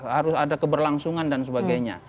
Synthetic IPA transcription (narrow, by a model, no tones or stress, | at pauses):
haɾʊsadakəbərlaŋsuŋandansəbaɡajɲa̰